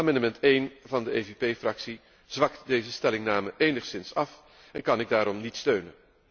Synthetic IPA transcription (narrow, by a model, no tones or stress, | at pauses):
amɑndəmɛntejnvɑndəejvepejfrɑksi | z̥ʋɑktdejzəstɛlɪŋnaːməʔejnəχsɪnsɑf | ɛnkɑnɪɡ̚daːɾɔmnitstøɥnən